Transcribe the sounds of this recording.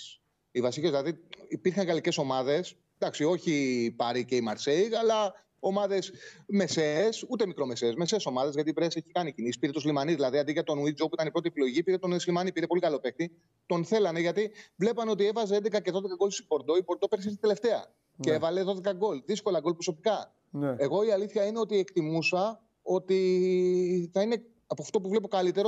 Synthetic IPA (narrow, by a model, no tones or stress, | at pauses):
ivɐsicezðilɐðiipiɾxɐŋɣɐlice̞so̞mɐðe̞s | d̪ɐksio̞çipɐɾiceimɐɾseiɐlɐ | o̞mɐðe̞sme̞se̞sut̪e̞mikɾo̞me̞seːzme̞se̞ːso̞mɐðe̞zʝɐt̪ipɾese̞çikɐnicinisi̥piɾet̪uzlimɐnizðilɐðiɐðiʝɐt̪o̞nuid͡ʒopuit̪ɐnipɾo̞t̪iepilo̞ʝipiɾe̞t̪oneslimɐnipiɾe̞po̞likɐlo̞pe̞x̚t̪i | t̪o̞nθe̞lɐne̞ʝɐt̪ivle̞pɐneo̞t̪ie̞vɐzeend̪ekɐce̞ðoðekɐɡo̞lsi̥bo̞ɾd̪o̞ibo̞ɾd̪o̞peɾs̬ist̪id̪ele̞ft̪e̞ɐ̰ | eevɐle̞ðo̞ðekɐɡo̞lðisko̞lɐɡo̞lpɾos̬o̞pikɐ | e̞ɣo̞iɐliθçɐine̞o̞t̪iekt̪imusɐ | o̞t̪i | θɐine̞ | ɐpoft̪o̞p̬uvle̞p̬o̞kɐlit̪e̞ɾo